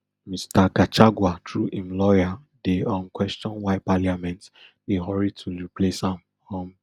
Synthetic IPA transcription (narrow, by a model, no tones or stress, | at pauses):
mistaɡat͡ʃaɡwatʰɹuʔĩmlɔja | deɔ̃mkwɛst͡ʃɔ̃nwaɪpaliamɛ̃nt | deɦɔɹid̚tʰuɹiplesãm | ɔ̃m